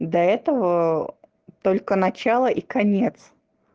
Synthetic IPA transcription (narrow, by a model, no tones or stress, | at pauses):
d̪ɐɛt̪əvə | t̪o̞lʲkənɐt͡ɕalˠəʔikɐnʲe̞t̪s